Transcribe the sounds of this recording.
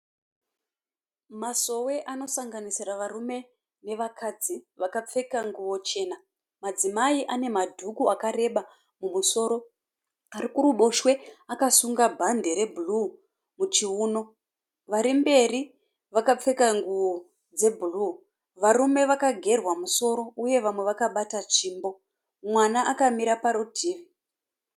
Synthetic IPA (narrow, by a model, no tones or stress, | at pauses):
maso̞we̞ʔano̞saŋɡanisiraʋarume̞ | ne̞ʋakʰad͡ziʋakap͡fe̞kaŋɡuwo̞t͡ʃe̞ːna | mad͡zimaiʔane̞madʱukuakaɾe̞ɓa | mumuso̞ːɾo̞ | aɾikuruɓo̞ʃwe̞akasuŋɡabʱande̞ɾe̞bʱulu | mut͡ʃiuːno̞ | ʋaɾimbe̞ri | ʋakap͡fe̞kaŋɡuwo | d͡ze̞bʱulu | ʋaɾume̞ʋakaɡʱe̞rwamuso̞ɾo̞uje̞ʋamwe̞ʋakaɓatat͡ʃiːmbo̞ | mwanaʔakamiɾapaɾodʱiːʋi